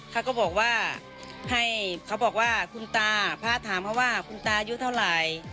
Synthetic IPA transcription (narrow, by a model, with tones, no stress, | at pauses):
kʰa˧˩wkɔː˧˩bɔː˨˩k̚waː˧˥˩ | ha˧˩jkʰa˧˩bɔː˨˩k̚waː˧˥˩kʰu˧nt̪aː˧pʰaː˧˥˨t̪ʰaː˨˦mkʰa˧waː˧˥˩kʰu˧˨nt̪aː˧juː˧t̪ʰa˥˩wlaː˨˦j